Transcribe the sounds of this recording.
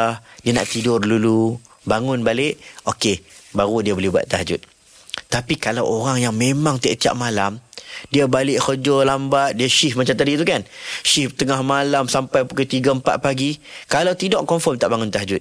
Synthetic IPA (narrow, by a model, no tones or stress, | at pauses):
diana̰ʔt̪idʊrdulu | baŋʊnbalɪʔokebaɾudiabolɛhbua̰t̪̚t̪aɦd͡ʒʊ̰t̪̚ | t̪apikalawoɾaŋjaŋmẽmãŋt̪ə̰ʔt̪ia̰p̚malamdiabalɪʔxəd͡ʒɔlambat̪̚diaʃifmat͡ʃamt̪adit̪ukanʃiht̪əŋahmalamsampajpukət̪iɡampa̰t̪̚paɡikalawt̪idɔʔkɔɱfɔmt̪aʔbaŋʊnt̪aɦd͡ʒʊt̪̚